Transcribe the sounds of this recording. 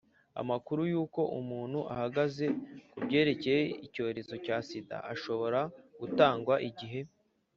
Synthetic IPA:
a̰makuɾujuːko̞ʔumuːn̥huʔa̰haɡaze̞kubɟe̞ːɾe̞cejeico̞ːɾe̞zo̞caːsida̰aʃo̞βo̞ɾaɡ̥utaːŋɡwaʔiɟiɦe̞

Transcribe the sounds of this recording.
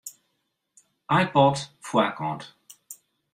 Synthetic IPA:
ajpɔdfwakɑ̃d̪

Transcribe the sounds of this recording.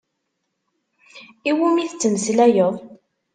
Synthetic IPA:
iwumiθt͡sːəməslæjəðˤ

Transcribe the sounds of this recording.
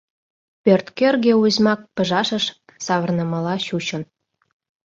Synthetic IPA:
pørt̪kerɣeuzmɑk̚pə̆ʒɑʃə̆ʃ | sɑβə̆rnə̆mɑlɑɕut͡ɕə̆n

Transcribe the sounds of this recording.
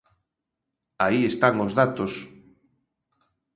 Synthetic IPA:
aiest̪aŋozðat̪os

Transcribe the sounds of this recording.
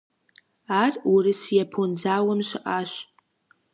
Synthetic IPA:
arurɨsjapʰond͡zawamʃʷɪʔaʃʷ

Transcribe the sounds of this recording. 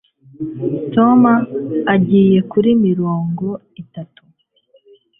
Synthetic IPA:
to̞maːɟiːje̞kuɾimiɾo̞ːŋɡo̞ | itatu̥

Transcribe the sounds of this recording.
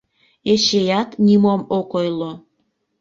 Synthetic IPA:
eʃejɑt̪nʲimomokojlo

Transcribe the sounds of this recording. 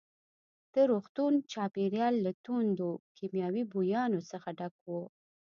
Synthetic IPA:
d̪̥əɾoxt̪unt͡ʃɑpeɾjɑlːat̪und̪okʰemjɑwibujɑnosəxaɖakwo

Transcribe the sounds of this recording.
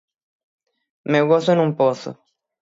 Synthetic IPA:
mewɣosoenũmposo̰

